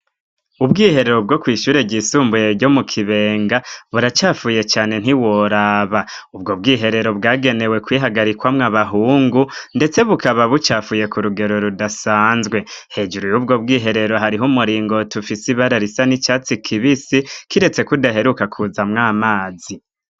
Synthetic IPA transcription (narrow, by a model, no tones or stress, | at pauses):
ubɡiːhe̞ɾe̞ɾo̞bɡo̞kwiːʃuːɾeɟisuːmbujeɾɟo̞mukʰiβe̞ːŋɡaβuɾat͡ʃaːfuje̞t͡ʃaːne̞n̥hiwo̞ɾaβaubɡo̞b̚ɡiːɦe̞ɾe̞ɾo̞βɡaːɡe̞ne̞we̞kwiːɦaɡaɾikwamŋaβaɦuːŋɡunde̞t͡se̞βukaβaβut͡ʃaːfuːje̞kuɾuɡe̞ɾo̞ɾudasaːnzɡwe̞he̞ːd͡ʒuɾujub̚ɡo̞b̚ɡiːɦe̞ɾe̞ɾo̞ɦaɾiɦumuɾiːŋɡo̞tufisiβaɾaɾisanit͡ʃaːt͡sikʰiβisikiɾe̞t͡se̞kudaɦe̞ɾukakʰuzamŋaːmaːzi